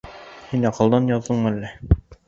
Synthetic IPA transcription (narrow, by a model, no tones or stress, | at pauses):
hinɑqɤ̆lˠd̪ɑnjɑðːɤɴælːæ